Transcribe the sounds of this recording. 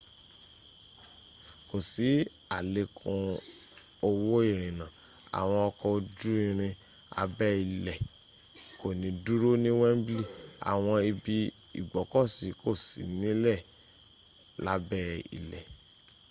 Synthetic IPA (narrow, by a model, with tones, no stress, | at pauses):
ko˨si˨˦ | a˦˨le˧˦kʰũ˧ | o˧wo˦i˦˨ɾ̃ĩ˨nã˨ | a̰˨w̃ɔ̃˧ɔ˧kɔ˧o˧d͡ʒu˦i˦˧ɾ̃ĩ˧ | a̰˧bɛ˦i˨lɛ˨ | ko˨nĩ˨˦du˦ɾo˦nĩ˦wɛ˦m̩˦bli˦˨a̰˨w̃ɔ̃˧i˧bi˧ | ḭ˦˨ɡ͡bɔ˨˦kɔ˦˨si˨˦ko˦˨sḭ˨˦nĩ˦lɛ˦˨ | la˦bɛ˦ḭ˨lɛ˨